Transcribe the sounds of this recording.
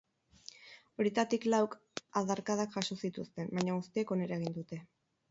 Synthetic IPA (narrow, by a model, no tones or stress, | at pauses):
o̞ɾjet̪at̪iklawk | aðaɾkaðakʝaso̞sit̪ust̪e̞mbajɲaɣust̪ieko̞ne̞ɾaeɣind̪ut̪e̞